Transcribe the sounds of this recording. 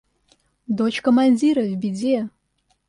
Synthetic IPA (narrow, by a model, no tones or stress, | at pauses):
d̪ot͡ʃkʰomɐnʲdʲiɾɐvbʲid͡ze